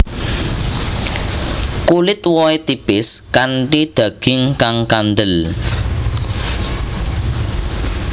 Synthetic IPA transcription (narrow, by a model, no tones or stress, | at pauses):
kulɪt̪wɔet̪ipɪskaɳʈiɖ̪̥ä̤ɡ̥ɪŋkaŋkand̪əl